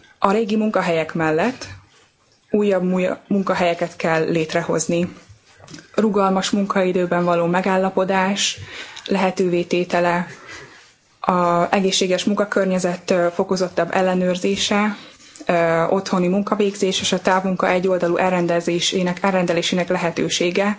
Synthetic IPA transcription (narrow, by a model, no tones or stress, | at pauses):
ɒɾeːɡimuŋkɒɦɛjɛkmɛlːɛt̪ː | uːjːɒbmuŋkɒɦɛjɛkɛt̪kɛlːeːt̪rɛho̞̰zni | ruɡɒlmɒʃmuŋkɒid̪øːbɛɱvɒloːmɛɡaːlːɒpo̞d̪aːʃlɛɦɛt̪øːveːt̪eːt̪ɛlɛ | ɒɛɡeːʃːeːɡɛʃmuŋkɒkørɲɛzɛt̪ːfo̞kozo̞t̪ːɒbːɛ̰lːɛnøːrzeːʃɛ | o̞t̪ho̞nimuŋkɒveːɡzeːʃeːʃɒt̪aːvmuŋkɒʔɛɟːo̞ld̪ɒluʔɛrːɛnd̪ɛzeːʃeːnɛkɛrːɛnd̪ɛleːʃeːnɛklɛɦɛt̪øːʃeːɡɛ